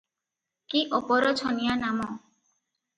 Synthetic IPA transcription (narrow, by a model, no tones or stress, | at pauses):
kiʔopɔɾɔt͡ʃʰɔnijanamɔ